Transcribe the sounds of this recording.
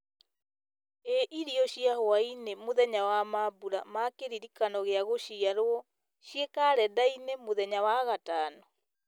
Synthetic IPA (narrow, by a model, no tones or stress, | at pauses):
eʔiɾiɔɕiahoainemoðɛɲawamabuɾamakeɾiɾikanɔɣeaɣoʃiaɾoɔ | ʃiekaɾɛdainemoðɛɲawaɣatanɔ